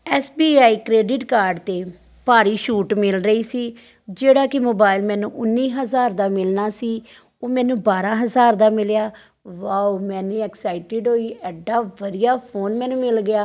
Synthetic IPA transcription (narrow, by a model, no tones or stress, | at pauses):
ɛːsbiːaːiːkɾeːɖɪʈkaːɾɖt̪eː | paːɾiːʃuːʈmɪlɾəiːsiː | d͡ʒeːɽaːkɪmoːbaːɪlmɛ̃ːnũːʔʊnːiːɦəzaːɾd̪aːmɪlnaːsiː | oːmɛ̃ːnũːbaːɾãːɦəzaːɾd̪aːmɪljaː | ʋaːumɛ̃ːnũːɛːksaːɪʈɪɖɦoːiːɛːɖaːʋəd̪ijaːpʰoːnmɛ̃ːnũːmɪlɡɪjaː